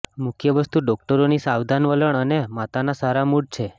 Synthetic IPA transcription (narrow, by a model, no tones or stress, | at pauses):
mʊkʰjəʋəst̪uɖɔk̚ʈəɾonisaʋd̪ʱanʋələɳ̃ənemat̪anasaɾamuɽ̚t͡ʃʰe